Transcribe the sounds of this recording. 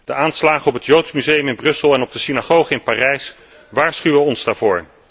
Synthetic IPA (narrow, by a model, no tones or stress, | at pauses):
d̥əʔaːnslaːχəɔpɦətjowtsmyzejəmɪnbrɵsəlˠɛnɔb̚dəsinaχowχəɪnpaːrɛjs | ʋaːɹsχyʋəɔnzdaːɹvʊːɹ